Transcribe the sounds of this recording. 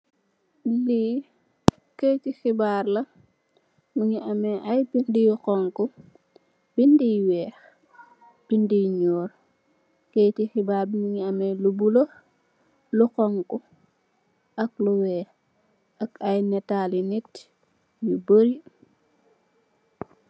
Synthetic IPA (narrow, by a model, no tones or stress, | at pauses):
li | kejtixibaɾlɐ | miŋiɐmɛʔajbindijkɔŋku | b̥indiwɛːx | b̥indiɲɔːɾ | kejtixibaːɾbimiŋiɐmɛlubulo | lukɔŋku | ɐk̚luwɛ | ɐkɐjnɛtalinit | juboɾi